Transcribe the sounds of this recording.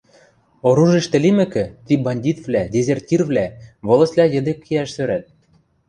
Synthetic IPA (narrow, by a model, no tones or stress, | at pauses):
oɾuʒiʃt̪ɘ̆limɘ̆kɘ̆t̪ibɑnʲdʲit̪vlædʲezʲertʲirvlʲæβŏlˠɤ̆sʲlʲæjɘ̆d̪ĕkːiæʃsøɾæt̪̚